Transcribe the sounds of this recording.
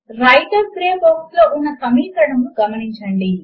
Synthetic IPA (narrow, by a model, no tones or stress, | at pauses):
ɾɐjʈɐɾpɾeːmbɐwslo̞ːʔunːɐsɐmiːkɐɽɐmuɡɐmɐniɲt͡ʃɐɳɖi